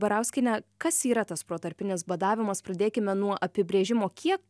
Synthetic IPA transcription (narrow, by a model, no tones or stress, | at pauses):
bɐɾɐʊsʲkʲɪnʲɛkɐsiːɾɐt̪ɐspɾuːt̪ɐɾʲpʲɪnʲɪsbɐd̪ɑːʋʲɪmɐspɾɐd̪ʲeːkʲɪmʲɛnuɔʔɐpʲɪbʲɾʲeːʒʲɪmoːkʲiɛk̚